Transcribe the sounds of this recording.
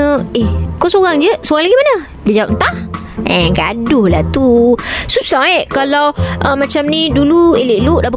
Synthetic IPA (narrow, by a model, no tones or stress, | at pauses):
əehkosoɣaŋd͡ʒəsoɣaŋlaɡimanə | dad͡ʒawap̚nt̪ah | ɛɡa̰dʊhlat̪ususaɛʔkalawʔəmat͡ʃamnidulueleʔluʔdabə